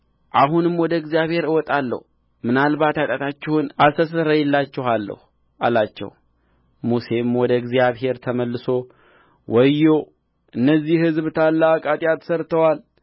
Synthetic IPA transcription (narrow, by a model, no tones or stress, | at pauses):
ʔaɦunɨmwɔd̪əɨɡzijaβhe̞ɾɨwɔt̪ʼalːə̰h | mɨnalβat̪at̪ʼat̪ʰat͡ʃːɪhʊnast̪əsəɾəjɛlːat͡ʃːɪhalːə̰hu | ʔalat͡ʃːɛ̰w | muse̞mwɔd̪əɨɡzijaβɦe̞ɾt̪ʰəməlːɨso̞ | wʔɔjːo | ʔɨnːəzːihhɨzβt̪ʰalːakʼat̪ʼjat̪ʰə̥səɾt̪ʰəwal